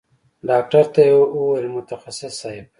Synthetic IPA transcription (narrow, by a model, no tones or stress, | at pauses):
ɖaːk̚ʈaɾt̪ajuwajlmʊt̪axasɪsaɪb̚